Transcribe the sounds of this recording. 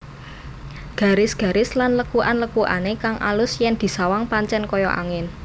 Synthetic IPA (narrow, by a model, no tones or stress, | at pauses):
ɡ̥ä̤ɾɪsɡ̥ä̤ɾɪslanləkuʔanləkuʔa̰nekaŋʔa̰lʊsjɛnd̪̥i̤sawaŋpaɲt͡ʃɛnkɔjɔʔa̰ŋɪn